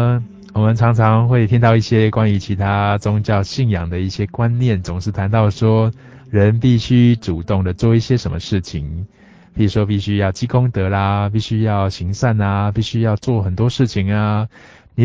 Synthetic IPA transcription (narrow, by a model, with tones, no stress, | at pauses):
wɔ˨˩mə˨nʈ͡ʂʰɑ˧˦˥ŋt͡sʰɑ˧˦ŋxwe˥˩ɪt̪ʰi˧˥ŋt̪ɑ˥˧ʊi˥˩ɕjɛ˦kwa˦˥ny˧˥t͡ɕʰi˨˥t̪ʰa˦t͡sʊ˥ŋt͡ɕjɑ˥˧ʊɕi˥˩ŋjɑ˨˩ŋd̪ə˩˦i˥˩ɕjɛ˦kwa˦nnjɛ˥˨˩nt͡sʊ˨˦ŋʂɻ̩˥˩t̪ʰa˧˦nt̪ɑ˥˩ʊʂwɔ˥ | ɻə˨˦npi˥˩ɕy˥ʈ͡ʂu˨˩t̪ʊ˥˩ŋd̪ə˩t͡swɔ˥˨i˥˩ɕjɛ˦ʂə˧˦nmə˧ʂɻ̩˥˩t͡ɕʰi˨˩ŋ | kʰɤ˧˥i˨˩ʂwɔ˥p̬i˥˩ɕy˥jɑ˥˩ʊt͡ɕi˥kʊ˥ŋt̪ɤ˨˦la˧pi˥˩ɕy˥jɑ˥˩ʊɕi˨˦ŋsa˥˩na˨pi˥˩ɕy˦˥jɑ˥˧ʊt͡swɔ˥˨xə˨˩nt̪wɔ˥ʂɻ̩˥˩t͡ɕʰi˨ŋa˧ | ni˨˩